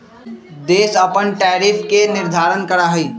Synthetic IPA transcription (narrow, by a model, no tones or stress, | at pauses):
d̪eːsəpənʈɛːɾipʰkenɪɾd̪ʱaːɾənkəɾaɦəi